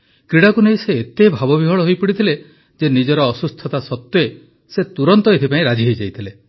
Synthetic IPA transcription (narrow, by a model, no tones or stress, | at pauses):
kɾiɽakuneiseːt̪ebʱabɔbʱiɦɔɭɔɦojpiɽit̪ʰile | d͡ʒenid͡ʒɔɾɔːsust̪ʰɔt̪asɔt̪jɔe | set̪uɾɔnt̪ɔet̪ʰipaĩɾad͡ʒiɦojd͡ʒajt̪ʰile